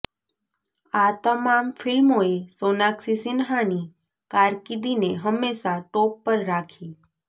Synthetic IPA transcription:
at̪əmamfɪlmoesonaksisɪnɦañi | kaɾkid̪ineɦəmːeʃaʈopːəɾːakʰi

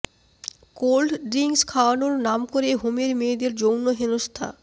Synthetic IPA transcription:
kolɖɖɾiŋskʰaoanuɾnamkoɾeɦomeɾmeːd̪eɾd͡ʑownoɦenost̪ʰa̰

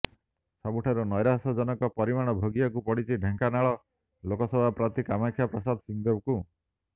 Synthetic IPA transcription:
sabuʈʰaɾunɔjɾasɔd͡ʒɔnɔkɔpɔɾimaɽ̃ɔbʱoɡiakupɔɽit͡ʃʰiɖʱeŋkanaɭɔ | lokɔsɔbʱapɾat̪ikamakʰːjapɾɔsad̪ɔsiŋd̪ɔbku

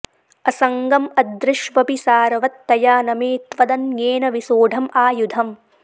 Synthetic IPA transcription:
ɐsɐŋɡɐmɐd̪ɾɪʃʋɐpisaːɾɐʋɐt̪ːɐjaːnɐmeːt̪ʋɐd̪ɐnjeːnɐʋisoːɖʱɐmaːjud̪ʱɐm

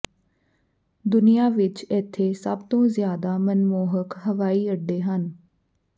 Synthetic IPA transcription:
d̪ʊnijaːʋɪt͡ʃɛːt̪ʰːeːsəbt̪õːzɪjaːd̪aːmənmoːɦəkɦəʋaːiːəɖːeːɦən

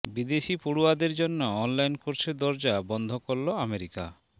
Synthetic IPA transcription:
bid̪eʃipuɽuad̪eɾd͡ʒonːɔːnlajnkoɾsʰed̪ɔɾd͡ʒabɔnd̪ʱɔkɔɾlɔameɾika̰

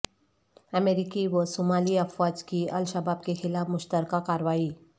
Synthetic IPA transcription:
əmeɾikiʋəsomaliəfʋad͡ʑkiəlʃabab̚kexɪlafmʊʃt̪əɾkakaɾʋaiː

